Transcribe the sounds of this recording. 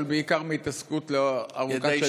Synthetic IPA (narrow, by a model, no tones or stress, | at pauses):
lbeikaʁmeit̪askut̪lea̰ʁuka